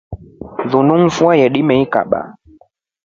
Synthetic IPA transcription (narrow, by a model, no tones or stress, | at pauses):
ðunuŋ̩fuajɛɗimɛika̰ɓa̰